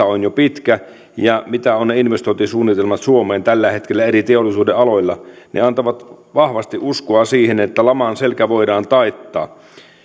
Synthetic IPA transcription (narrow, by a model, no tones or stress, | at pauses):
æonjopit̪kæ | jɑmit̪æonːeinʋest̪oit̪isuːnːit̪elmɑt̪suomeːnt̪ælːæhet̪kelːæeɾit̪eolːˑisuːdeʔɑloilːɑnʔḛɑnt̪oʋɑt̪ʋɑhʋɑst̪iʔuskoɑsiːhenet̪ːælɑmɑnselkæʋoidɑːnt̪ɑit̪ːɑ̰ː